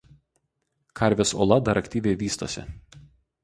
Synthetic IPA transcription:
kʰɐˑɾʲʋʲeso̰ːlˠɐd̪ɐɾʔɐkt̪ʲiːʋʲɛɪʋʲiːst̪o̰ːsʲɪ̰

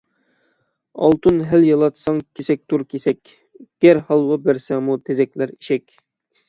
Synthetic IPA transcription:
ɑ̰lˠt̪ʰunɦæljɑlˠɑt̪sɑŋkʲʰesɛk̚ʲt̪ʰuɾkʲʰesɛkʲ | ɡ̥ʲæɾhɑlˠwɑbæɾsɛŋmut̪ʰed̪ɛkʲlæɾiʃɛkʲ

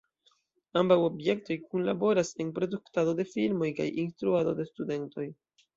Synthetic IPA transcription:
ambawo̞bje̞k̚to̞jkunlabo̞ɾase̞npɾo̞duktado̞de̞filmo̞jka̰jinstɾuado̞de̞stude̞nto̞j

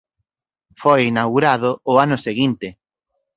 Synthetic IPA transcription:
fojinawɣuɾaðʊʊanʊseɣint̪ɪ

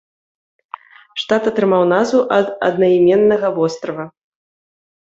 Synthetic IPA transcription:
ʂt̪at̪ɐt̪ɾɨmawnazvuʔɐd̪ɐ̰d̪nɐimʲɛnːɐɣɐvɔst̪ɾɐvɐ

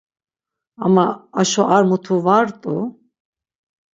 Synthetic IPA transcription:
a̰maːʃɔʔaɾmut̪ʰuvaɾt̪ʼu

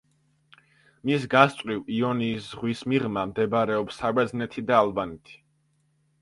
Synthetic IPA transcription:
misɡast̪ʼwiviɔniːszʁwismiʁmamd̪ɛbɾɛɔpsːabɛd̪znɛt̪ʰid̪aːlˠbanɛt̪ʰi̥

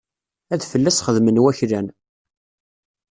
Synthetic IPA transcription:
æðfəlːæsχəðmənwæçɾæn

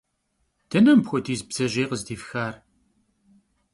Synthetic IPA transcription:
t̪ænæmbxʷæd̪izbzæʒiʁəzd̪ifçæɾ

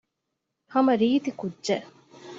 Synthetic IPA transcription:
hɐmɐɾiːt̪ikudːʒe

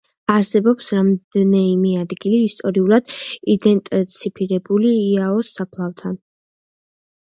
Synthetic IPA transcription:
aɾsɛbɔpsɾamd̪ɛnɛmiad̪ɡiliːst̪ʼɔɾiulˠad̪̥id̪ɛnt̪ʼt̪sʰipʰiɾɛbuliːaɔsːapʰlˠavt̪ʰan

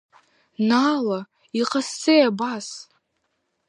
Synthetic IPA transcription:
nala | iqʼasːejabas

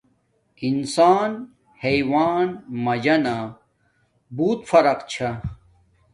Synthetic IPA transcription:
insaːn | hejwaːnmɐd͡ʑɐna | buːt̪fɐɾɐqt͡ɕʰa

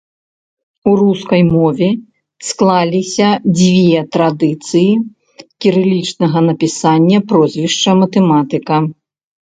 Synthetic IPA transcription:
uruskɐjmɔvʲɛ | sklˠalʲisʲɐd͡zʲvʲɛt̪ɾad̪ɨt̪sɨji | kʲiɾɨlʲit͡ʂnɐɣɐnɐpʲisanʲːɐpɾɔzʲvʲiʂt͡ʂɐmɐt̪ɛmat̪ɨkɐ

